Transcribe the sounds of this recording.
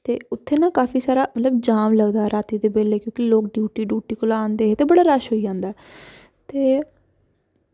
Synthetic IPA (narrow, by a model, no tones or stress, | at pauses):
t̪eːʊt̪ʰːeːnãːkaːfʰiːsaːɾaːmət̪ləbd͡ʒaːmləɡd̪aːɛɾaːt̪iːd̪eːbeːleːkjõːkiloːk̚ɖjuːʈiːɖuːʈiːkʊlaːnd̪eːet̪eːbəɽaːɾəʃɦoːiːd͡ʒãːnd̪aːɛ | t̪eː